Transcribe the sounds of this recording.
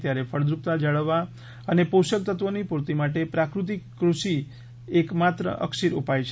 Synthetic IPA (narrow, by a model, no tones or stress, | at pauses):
t̪jaɾefʰəɭd̪ɾup̚t̪ad͡ʒəɭəʋːa | ənepoʃək̚t̪ət̪ʋənipuɾt̪imaʈepɾakɾut̪̬ikːɾuʃi | ekmat̪ɾə̰ʔə̰kʃiɾupajt͡ʃʰ